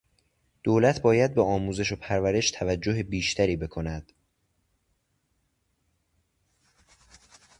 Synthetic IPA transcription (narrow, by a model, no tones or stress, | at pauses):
d̪̥oːlæt̪ʰbɒːjæd̪̚beɒːmuːze̞ʃo̞pʰæɾvæɾe̞ʃt̪ʰævæd͡ʒːo̞ɦebiːʃt̪ʰæɾiːbe̞kʰo̞næd̪̥